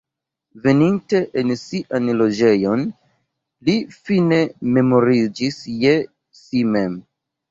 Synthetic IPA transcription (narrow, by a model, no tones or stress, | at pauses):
ve̞ninte̞ʔensiʔanlo̞d͡ʒe̞jo̞n | lifine̞me̞mo̞ɾid͡ʒisje | sime̞m